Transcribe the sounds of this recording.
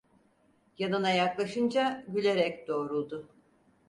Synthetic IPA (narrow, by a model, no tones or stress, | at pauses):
janɯnajaklˠaʃɯnd͡ʒaɟylʲe̞ɾɛcd̪̥o̞ːɾulˠd̪ʊ